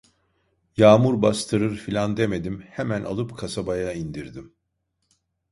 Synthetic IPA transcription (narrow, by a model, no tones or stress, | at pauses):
jaːmuɾbast̪ʰɯɾɯɾfilʲand̪e̞me̞d̪imhemænʔa̰lˠɯpkʰasabajaind̪iɾd̪im